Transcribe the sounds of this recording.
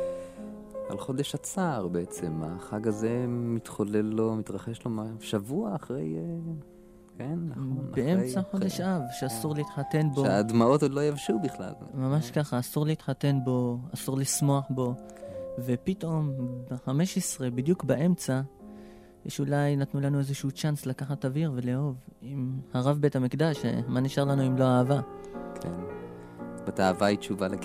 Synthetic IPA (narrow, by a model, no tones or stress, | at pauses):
a̰lχo̞d̪eʃat͡saːʁbeet͡se̞ma̰χaɡaze̞mit̪χole̞lːomit̪ʁaχe̞ʃlo̞maʃavuaːχʁej | kenbeʔemt͡saχod̪eʃʔavʃeasuʁleit̪ħat̪e̞nboeaaːd̪mao̞t̪lo̞javʃubiχla̰lmamaʃkaχaːsuʁleit̪ħat̪e̞nbo̞asuʁlismo̞aħbo̞ve̞pit̪o̞mbeħame̞ʃesʁe̞bid̪jukbaʔe̞mt͡sa | ʃeulajnat̪nulanue̞zeʃuːt͡ʃanslakaχat̪aviʁve̞leo̞vimhaʁavbe̞thamikd̪aʃmaniʃaʁlanuimlo̞aːvakʰḛn | bat̪aavait͡ʃuvale